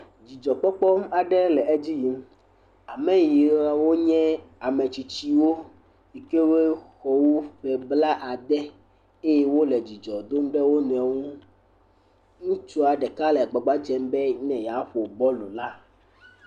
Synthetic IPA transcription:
d͡ʑi˨d͡ʒɔ˨k͡pɔ˦k͡pɔ˦m˦a˨ɖɛ˦lɛ˨ʔe˦d͡ʑi˦ji˨m | a˨mɛ̃˨ji˨ɾa˨wo˦ɲɛ̃˦a˨me˨t͡ɕi˨t͡ɕi˦wo˦ | i˨ke˦we˦xɔ˨wu˦ɸɛ˨bla˦ʔa˨d̪ɛ˦ | e˦je˦wo˦le˨d͡ʑi˨d͡ʒɔ˨d̪o˦mɖɛ˦wo˦nũ˨a˨ŋũ˦ | ŋũ˦t͡ʃu˦a˨ɖɛ˨ka˦lɛ˨ɡ͡bɔ˨ɡ͡ba˦d͡ʒɛ˦mbɛ˦ɲɛ̃˨ja˨˦ɸo˨bɔ˦lu˨la˦

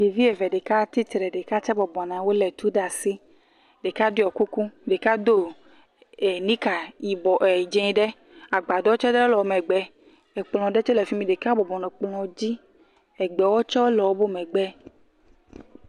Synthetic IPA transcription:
ɡe˨vi˦e˨vɛ˨ɖe˨ka˦t̪i˦t̪ɾɛ˨ɖe˨ka˦t͡ʃɛ˦bɔ˨bɔ˨nã˨wo˦lɛ˨t̪u˦ɖa˨si˦ | ɖe˨ka˦di˦ɔ˨ku˦ku˦˨ɖe˨ka˦d̪o˦ | e˨nĩ˦ka˨ji˨bɔ˨ʔɛ˨d͡ʒẽ˦ɖɛ˦ | a˨ɡ͡ba˨d̪ɔ˦wo˦t͡ʃɛ˦dɛ˦o˦lɔ˨˦˨mɛ̃˨ɡ͡bɛ˦ | e˨k͡plɔ̃˨ɖɛ˦t͡ʃɛ˦lɛ˨fi˦mĩ˨ɖe˨ka˦bɔ˨bɔ˨nɛ̃˨k͡plɔ̃˨d͡ʑi˦ | ɛ˨ɡ͡bɛ˨wɔ˦t͡ʃɔ˦lɔ˨wo˦bo˦mɛ̃˨ɡ͡bɛ˦

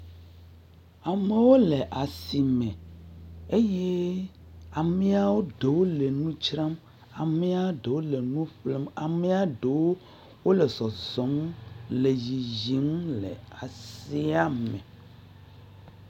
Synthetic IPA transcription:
a˨me˨˦wo˦le˨ʔa˨si˨mɛ̃˨ | e˦je˦ | a˨mẽ˦a˨wo˦ɖe˨wo˦le˨nũ˦t͡ʃɾa˦m | a˨me˦a˦wɖe˨wo˦le˨nũ˦ɸle˦ma˨me˦a˨ɖe˨wo˦ | wo˦le˨sɔ˨zɔ˨˦mle˨d͡ʑi˨zi˦m˦lḛ˨a˨si˦a˦mɛ̰̃˨

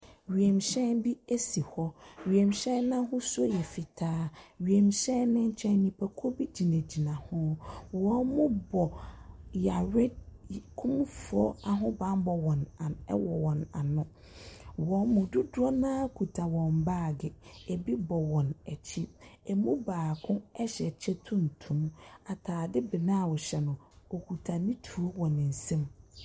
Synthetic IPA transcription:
ɥi˨ɛ˨mɕɛ̃˦nbi˦e˦si˨hɔ˦ɥi˨ɛ˨mɕɛ̃˦nnã˦ɦʊ̃˦sʊ˦o˦jɛ˨fi˨tʰaː˦ɥi˨ɛ˨mɕɛ̃˦nɪ̃˦ɲ̩˦t͡ɕʰɛ̃˦nnĩ˨pʰæ˨kʰo˦bi˦d͡ʑi˨næ̃˨d͡ʑi˨nã˨hʊ̃˦wɔ̃˦nmʊ̃˦bɔ˨ja˨ɾɛ˦d̚kʰũ˦mfʊ˨˦ɔ˦a˨ɦʊ̃˦bã˦m˦bɔ˨wɔ̃˨n̰˨˦wɔ˨wɔ̃˨na̰˨nʊ̃˦ | wɔ̃˨˦mʊ̃˨dʊ˦dʊ˦ɔ˦nãː˦kʰu˨tʰa˨wɔ̃˨m˨baː˦˨ɡɪ˨ɛ˨bi˦bɔ˨wɔ̃˨nɛ˨t͡ɕʰi˦ɛ˨mũ˦baː˨kʰʊ̃˦ɛ˦ɕɛ˨t͡ɕʰɛ˦tʰũ˦n̩˨tʰũ˨ma˨tʰaː˨dɪ˦bɪ˨nã˦˨wɔ˨ɕɛ˨nʊ̃˨ɔ˨kʰu˨tʰa˨nĩ˦tʰu˨o˦wɔ̃˨nɪ̃˨n̩˨sɛ̃˦m

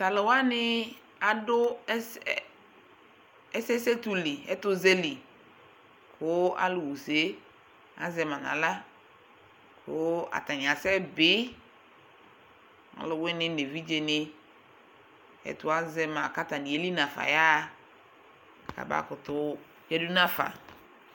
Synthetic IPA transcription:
sa˨lo˨wa˦nɪ˦ | a˨dʊ˦ | ɛ˦sɛ˦se˦tu˦li˨ɛ̰˦tʊ˦ze˦li˨ | kʰʊ˨˦a̰˦lʊ˨wu˨se˨˦ | a̰˦zɛ˨mã˨na̰˨la˦ | kʰʊ˦a̰˨ta˨ɲ˨a˨sɛ˦bɪ˦ | ŋa̰˨lʊ˨wɪ˦nɪ˦ne˨vi˦d͡ʒe˨nɪ˦ | ɛ̰˨tʊ˨˦a˦zɛ˨ma˨ka˦ta˨nĩ˨e˦li˦na˨fa̰˨ja˦ | ka̰˨ba̰˦kʊ˨tʊ˨ | jɛ˦du˦nã˦fa̰˨

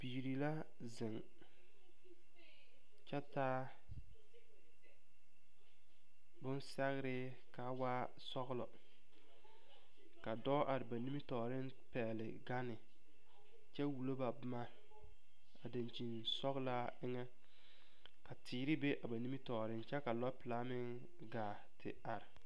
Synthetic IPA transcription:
biː˨ɾi˨la˦ | zɪ˨ŋ | t͡ʃɛ˦taː˦ | bʊ˦nsɛ˦ɣɪ˦ɾɪ˦ | ka˨˦waː˦ | sɔ˦ɣlɔ˨ | ka˨dɔː˦ʔa˨ɾɪ˨ba˨ni˦mi˦tɔː˨ɾɪ˦n | pɛː˨lɪ̰˨ɡa˦nɪ˨ | t͡ʃɛ˦wu˨lo˦ba˨bʊ˦ma˦ | a˨da˨nt͡ʃi˨nsɔ˦ɣla˦ | ɪ˦ŋɛ˦ | ka˨tiː˨ɾɪ˦be˦ʔa˨ba˨ni˦mi˦tɔː˨ɾɪ˦nt͡ʃɛ˦ka˨lɔ˦pɪ˨la˦mɪ˦ŋ | ɡaː˨ | tɪ̰˨a˨ɾɪ˨

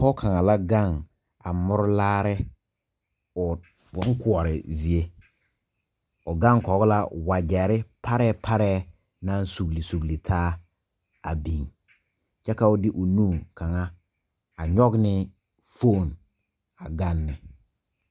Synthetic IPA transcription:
pɔ˦kʰa˨ŋa˨la˦ɡa˦˨ŋ | a˨mʊ˦ɾʊ˦laː˦ɾɪ˦ | ʊ˨˦ | ŋ̩˦kʰʊ˨ɔ˨ɾɪ̰˨zi˨e˦ | ʊ˨ɡã˦ŋ˦kɔ˨˦ɡla˦wa˨d͡ʒɛ˨ɾɪ˦pʰa˦ɾɛ˦pʰa˦ɾɛː˦ | nã˦n˦su˨ɡli˨su˨ɡli˨tʰaː˦ | a˨bĩ˨ŋ | t͡ʃɛ˦ka˦ʊ˦dɪ˦ʔʊ˨nuː˦˨kʰa˨ŋa˦ | a˨ɲɔ˦ɡnɪ˦ | fo˦˨n | a˨ɡa˦nːɪ˨

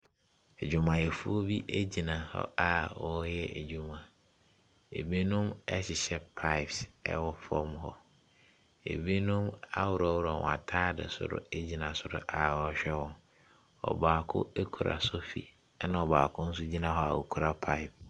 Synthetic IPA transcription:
e˨d͡ʑᶣu˨mã˨jɛ˨fu˦o˦bi˦ʔæ˦d͡ʑi˨nã˨hɔ̰˦a˨wɔ˨jɛ˦ʔe˨d͡ʑu˨mã˨ | ḛ˨bi˦nũ˦mɛ˦ɕɪ˨ɕɛ˦pʰa˦ɪ˨psɛ̰˦wɔ˦fɔ˦mɦɔ˨ | ḛ˨bi˦nũ˦ma˦wʊ˨ɾɔ˨wʊ˦ɾɔ˨wɔ̰̃˨a̰˨tʰaː˦dɪ̰˨sʊ̰˦ɾʊ̰˦e˦d͡ʑi˨nã˨sʊ˨ɾʊ̰˦ʔa˨wɔ˦ɕᶣɛ˦wɔ̃˨n | ɔ̰˨baː˨kʰʊ̰˦e˦kʰu˨ɾa̰˨sʊ˦fḭ˨˦ | nã˦ɔ˨ba̰ː˨kʰʊ̃˦n̩˦s̬ʊ˦d͡ʑi˦nã˨ɦɔ˦a̰˨wo̰˨kʰu˨ɾa˦pʰa˦ɪ˨p̚

